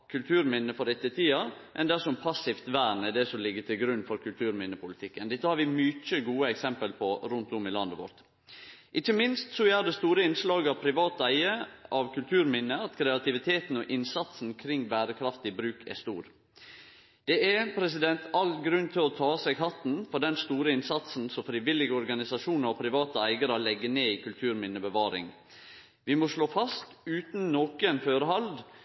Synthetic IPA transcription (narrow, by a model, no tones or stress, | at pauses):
kʰʉlt̪ʰʉːɾmɪnːəfɔɾɛt̪ːət̪ʰiːɑʔɛnd̪æʂɔmpʰɑsɪft̪ʋæːɾnɛd̪ɛsɔlɪɡːət̪ʰɪlɡɾʉnːfɔɾkʰʉlt̪ʰʉːɾmɪnːəpʰʊlɪt̪ʰɪkːənd̪ɛt̪ːəhɑɾʋɪmʏt͡ʃəɡuːəɛksɛmpəlpʰɔɾʉnt̪ʊmɪlɑnd̪əʋɔ̰ɾt̪ | ʔɪçːəmɪnst̪sɔæd̪ɛst̪uːɾəɪnslɑːɡɑʋpʰɾɪʋɑːt̪æɪəʔɑʋkʉlt̪ʰʉːɾmɪnːəɑt̪kʰɾɛɑt̪ɪʋɪt̪ʰeːt̪n̩ɔʔɪnsɑt̪sn̩kʰɾɪŋːbæːɾəkʰɾɑft̪ɪbɾʉːkʰɛ̰st̪ṵːɾ | d̪̥ɛæpʰɾɛsɪd̪ɛnt̪ʰɑlɡɾʉnːt̪ʰɪlɔt̪ʰɑːsæɡɦɑt̪n̩fɔɖɛnst̪uːɾəɪnsɑt̪sn̩sɔfɾɪʋɪlɪɡəɔɾɡɑnɪsɑʃuːnəɾɔpʰɾɪʋɑːt̪əæɪɡəɾɑlɛɡːəneːikʰʉlt̪ʰʉːɾmɪnːəbəʋɑːɾɪ̰ŋ | ʋɪmɔʂɭoːfɑst̪ʉːt̪nnoːkəɛnføːɾəɦɑld̪